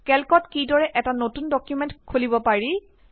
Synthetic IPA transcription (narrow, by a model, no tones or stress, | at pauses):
kɛlkɔtkidɔɹɛʔɛtanotundɔkjumɛ̃ntkʰolibɔpaɹi